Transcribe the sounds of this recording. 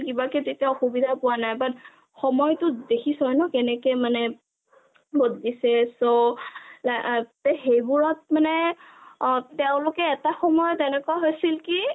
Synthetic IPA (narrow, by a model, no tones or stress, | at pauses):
kibakɛtetiaɔxubidʱapʊwanajbat | xɔmɔjtʊdekʰisɔjnɔkɛnɛkemanɛ | boddisɛsolatɛhejbʊɹɔt̚manɛ | tɛʊ̃lʊkɛːtaxɔmɔjɔtɛnɛkʊaɦojsilki